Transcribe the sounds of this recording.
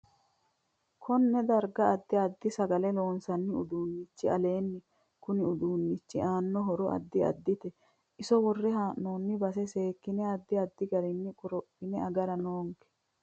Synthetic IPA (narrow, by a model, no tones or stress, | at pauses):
kʰɔnːɛd̪ɐɾɡɐɐd̪ːɪɐd̪ːɪsɐɡɐlɛlo̞ːnsɐnːɪʊ̰d̪uːnːɪt͡ʃːɪɐ̰le̞ːnːɪ | kʊnɪʊd̪uːnːɪt͡ʃːɪʔaːnːɔɦɔɾɔʔɐ̰d̪ːɪɐ̰d̪ːɪt̪ɛ | ʔɪsɔwɔrːɛɦaːʔːoːnːɪbɐsɛse̞ːkːɪnɛɐd̪ːɪɐd̪ːɪɡɐɾɪnːɪkʼʊɾɔpːɪnɛɐɡɐɾɐnoːŋkɛ̥